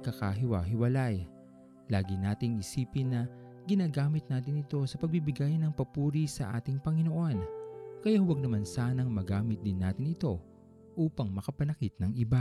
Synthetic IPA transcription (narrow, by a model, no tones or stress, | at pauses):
kːɐka̰ɦɪwaɦɪwɐlaj | laːɡɪnaːt̪ɪŋʔɪsiːpɪnːɐ | ɡɪnaːɡaːmɪt̪̚naːt̪ɪnɪt̪o̞sɐpɐɡ̚bibɪɡajnɐŋpɐpuːɾisɐ̰ʔa̰ːt̪ɪŋpɐŋɪno̞ʔo̞nkɐjawɐɡ̚nɐmansaːnɐŋmɐɡaːmɪt̪̚d̪ɪnːaːt̪ɪnɪt̪o̞ | ʔuːpɐŋmɐkɐpɐnɐkɪt̪̚nɐŋʔɪba